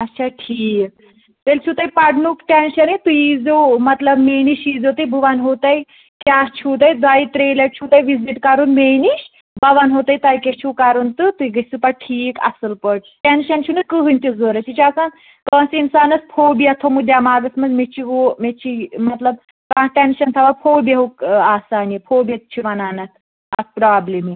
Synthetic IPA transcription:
ɐtːt͡ʃʰaʈʰiːk̚ | t̪elʲt͡ʃʰut̪ajpɐɽnukʈenɕɐnet̪uid͡zomɐt̪lɐbmeniɕiːd͡zɦot̪ɐjbɨʋanɦot̪aj | kʲaːst͡ʃʰut̪̬ajd̪ʋaːit̪ɾeleʈ̚t͡ʃʰuːt̪ajʋiziʈkaɾunmeniɕ | bɐʋanɦot̪ajt̪aːjkʲet͡ʃʰukaɾunt̪ɨt̪uiɡɐsupaʈʈʰiːkɐ̰səlpəʈ | ʈenʃɐnt͡ʃʰunɨkəɦɨnʲt̪izoːɾɐt͡ʃʰit͡ʃʰiasaːn | kɐsinsaːnɐspʰoːbiɐt̪ʰomud̪jamaːɡɐsmɐzmet͡ʃʰiɦomet͡ʃʰimɐt̪lɐb | kãːʈenʃɐnt̪ʰɐʋapʰoːbʲeɦoaːsaːnipʰoːbiɐt̪̚t͡ʃʰiʋɐnaːnɐt̪ʰ | ɐ̰spɾaːblemi

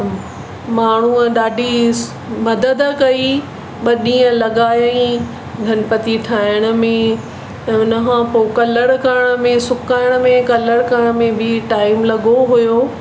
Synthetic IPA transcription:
maːɳ̤uɗaːɖʱi | mɐd̪əd̪kɐi | ɓɐɗĩːə̃lɐɠaːjəĩ | ɡʱɐnpɐt̪iʈʰaːɪɽ̃ə̆mẽ | ʊnə̆ɦãpoːkɐləɽkəɾəɽ̃ə̆mẽsʊkaːɪɽ̃̆mẽkɐləɽkəɾɽ̃mẽbʱɪʈaːɪmlɐɠoɦujoː

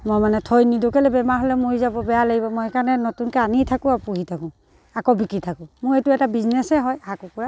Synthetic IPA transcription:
mɔjmanɛtʰojnidokɛlɛbɛmaɦɔlɛmoɹizabɔbɛjalaɡibɔmɔjɛkanɛnɔtunkɛanitʰakũapuɦitʰakʊ̃ | akɔwbikɹitʰakʊ̃mʊɹetuɛtabiznɛsɛɦɔjhakukuɹa

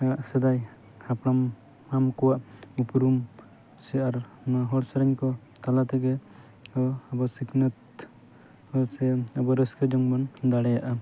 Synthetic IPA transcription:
aʔsɛd̪aj | hapɽamː | amkɔwaʔupuɾum | sɛaɾnaɦɔɽsaɾɛɲkɔ | t̪alat̪ɛɡɛ | ɔːbɔsiknət̪ | hɔsɛabɔɾəskəd͡ʒɔŋbɔnd̪aɽɛjaʔa

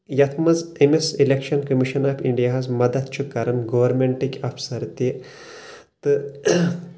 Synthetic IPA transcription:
jɐt̪ʰmɐzemesilʲekʃɐnkɐmiʃɐnaːfʰiɳɖijaɦɐzmɐd̪ɐt̪t͡ʃʰukɐɾɐnɡɐʋɐɾmʲeɳʈikʲafʰsɐɾt̪i | t̪ɨ

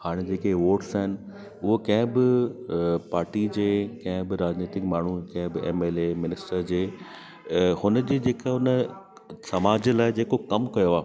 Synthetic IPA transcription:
haːɽ̃ed͡ʑeːkeʋoːʈsaɦɪnɪ̆ | ʊɦokɐ̃ɦɪ̃bɪ | paːɾʈid͡ʑeːkɐ̃ɦɪ̃bɪɾaːd͡ʑniːt̪ɪkmaːɳ̤ukɐ̃ɦbɪeːmeːleːmɪnɪsʈəɾd͡ʑeː | hʊnə̆d͡ʑeːd͡ʑeːkaʊnə | sɐmaːd͡ʑəlaːɪd͡ʑeːkokɐmkɐjoaː

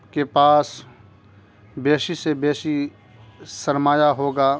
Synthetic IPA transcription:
kepaːs | beːʃisebeːʃi | sɐɾmaːjaɦoːɡaː

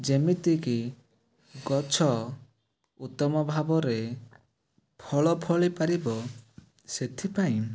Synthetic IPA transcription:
d͡ʒemit̪iki | ɡɔt͡ʃʰɔ | ut̪ɔmɔbʱabɔɾe | pʰɔɭɔpʰɔɭipaɾibɔ | set̪ʰipaĩ

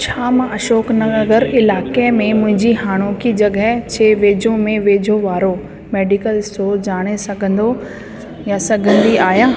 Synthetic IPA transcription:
t͡ɕʰaːmãɐʃoːknɐɐɡəɾɪlaːkemẽmʊ̃ɦɪ̃ɲd͡ʑiɦaːɽ̃oːkid͡ʑɐɡət͡ɕʰeːʋeːd͡ʑʱõmẽʋeːd͡ʑʱoʋaːɾo | meːɖikəlsoːd͡ʑaːɽ̃esɐɡʱə̃nd̪o | jasɐɡʱə̃nd̪iaːjaː

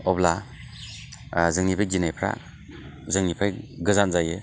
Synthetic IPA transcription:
ɔbla | zɯŋnipʰajd͡ʒinajpʰɾa̰ | zɯŋnipʰajɡɯzanzajɯ

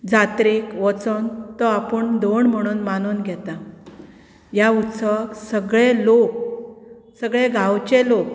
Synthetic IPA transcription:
d͡zat̪ɾikʋət͡sənt̪ɔapəɳd̪oɳm̤əɽ̃uːnmanunɡʱɛt̪a | jaut̪səʋəksəɡɭelok̚ | səɡɭeɡʱãwt͡ɕelok̚

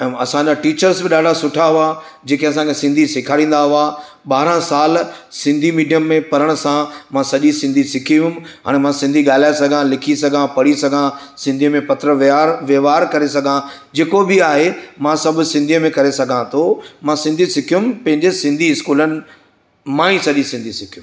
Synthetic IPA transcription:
ɛ̃ːɐsãaʈiːt͡ɕəɾsbɪɗaːɖʱasʊʈʰaɦʊad͡ʑeːkeɐs̬ãkʰesɪ̃nd̪ʱisɪkʰaːɽĩːn̆d̪aɦʊa | ɓaːɾãsaːlsɪ̃nd̪ʱimiːɖijəmːẽpɐɾəɽ̃ʊsãmãsɐʄisɪ̃nd̪ʱisɪkʰiʊ̃mɦa̰ːɽ̃emãsɪ̃nd̪ʱiɠaːlaːesɐɡʱãlɪkʰisɐɡʱãpɐɽisɐɡʱãsɪ̃nd̪ʱimẽpɐt̪ɾəʋʋjeʋaːɾkɐɾesɐɡʱãd͡ʑeːkobɪaːɦemãsɐbʱʊsɪ̃nd̪ʱijmẽkɐɾesɐɡʱãt̪ʰomãsɪ̃nd̪ʱisɪkʰijʊmpɐ̃ɦɪ̃ɲd͡ʑesɪ̃nd̪ʱiɪskuːlənɪ̆ | mãːĩsɐʄisɪ̃nd̪ʱisɪkʰijum

